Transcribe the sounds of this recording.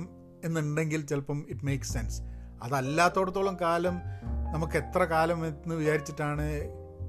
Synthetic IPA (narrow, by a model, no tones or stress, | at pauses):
m | e̞nːuɳɖe̞ŋɡilt͡ɕelpɐmiʈme̞ːksːensɐðɐlːaːt̪ːo̞ːɽɐt̪ːoːɭɐmkaːlɐmnɐmukːe̞t̪rɐkaːlɐmenːɨʋit͡ɕaːɾit͡ɕːiʈːaːɳɨ